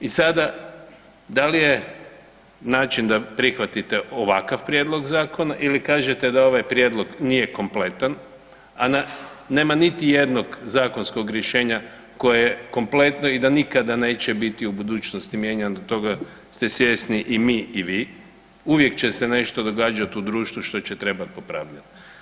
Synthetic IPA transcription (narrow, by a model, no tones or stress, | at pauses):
isad̪a | d̪alije | naːt͡ʃind̪apɾixʋat̪it̪eʔo̞ʋakaʋpɾje̞d̪lˠo̞ɡzaːko̞naʔilikaːʒet̪e̞d̪ao̞ʋajpɾje̞d̪lˠo̞ɡnije̞ko̞mple̞t̪an | anane̞ːmanit̪ije̞d̪no̞ɡzaːko̞nsko̞ɡɾjeʃe̞ːɲa | ko̞jejeko̞mple̞t̪noid̪anikad̪ane̞ːt͡ɕebit̪iubud̪uːt͡ʃnost̪imje̞ɲand̪ot̪o̞ɡa | st̪e̞sje̞sniʔimiːʔiʋiː | uʋje̞kt͡ɕe̞sene̞ʃt̪o̞d̪o̞ɡaːd͡ʒat̪ud̪ɾuːʃt̪ʋuʃt̪o̞t͡ɕet̪ɾe̞bat̪̚po̞pɾa̰ːʋʎano